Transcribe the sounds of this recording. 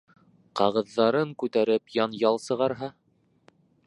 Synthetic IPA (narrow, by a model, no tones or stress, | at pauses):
qɑʁɤ̆ðːɑɾɤŋkʉt̪æɾɘpjɑnjɑlˠsɤ̆ʁɑɾɦɑ